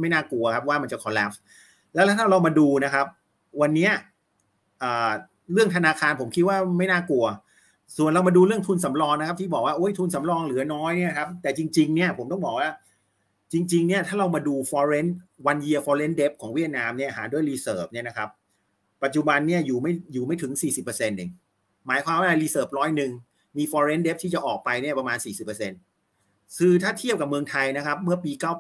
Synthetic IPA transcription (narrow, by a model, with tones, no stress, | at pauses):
ma˥˩jnaː˥˩ku˧ɐkʰa˦˥p̚waː˥˩ma˧nt͡ɕa˨˩kʰɔː˨˦lɛ˦˥p̚ | lɛ˦˥t̪ʰɛː˥˩t̪ʰːa˧˥˩ɾa˧wmaː˧duː˧na˦˥kʰa˦˥p̚ | wa˧nːi˦˥ɐ | ʔaː˨˩ | ɾɯ˥˩əŋt̪ʰa˧naː˧kʰaː˧npʰo˩˦mkʰi˦˥t̪̚waː˥˩ma˥˩jnaː˥˩ku˧ɐ | su˨˩nɾa˧wmaː˧duː˧ɾɯ˥˩ŋt̪ʰu˧nsa˩˦mɾɔː˧ŋna˦kʰa˦p̚t̪ʰi˥˩bɔː˨˩k̚waː˥ʔoː˦˥jt̪ʰu˧nsa˩˦mɾɔː˧ŋlɯː˩˦ɐnɔː˦˥jni˥˩ɐkʰa˦˥p̚t̪ɛː˨˩t͡ɕi˧ŋt͡ɕi˧ŋni˦˥˩ɐpʰo˩˦mt̪ɔ˥˩ŋbɔː˨˩k̚waː˥˩ | t͡ɕi˧ŋt͡ɕi˧ŋni˦˥˩ɐt̪ʰaː˥˩ɾa˧wmaː˧duː˧fɔː˧ɾe˦˥nwa˧nji˧ɐfɔː˧le˦˥nde˦˥p̚kʰɔː˩˦ŋwi˥˩t̪̚naː˧mni˥˩ɐhaː˩˦du˥˩əjɾiː˧sɤː˨˩p̚ni˥˩ɐna˦˥kʰa˦˥p̚ː | a˨˩t͡ɕu˨˩ba˧nːi˥˩ɐjuː˨˩ma˥˩jjuː˨˩ma˥˩t̪ʰɯ˩˦ŋsiː˨˩si˨˩pːɤː˧se˧nʔe˨˩ŋ | maː˩˦jkʰwaː˧mwaː˥˩˧liː˧sɤː˨˩p̚ɾɔː˦˥jnɯ˨˩ŋ | miː˧fɔː˧ɾe˦˥nde˦˥p̪̚ʰiː˥˩t͡ɕa˨˩ʔɔː˨˩k̚pa˧jni˥˩ɐpa˧maː˧nsiː˨˩si˨˩pːɤ˧se˧n | kʰɯː˧t̪ʰaː˥˩t̪ʰi˥˩p̚ka˨˩p̚mɯ˧əŋt̪ʰa˧jna˦˥kʰa˦˥p̚mɯ˥˩ɐpiː˧kaː˥˩w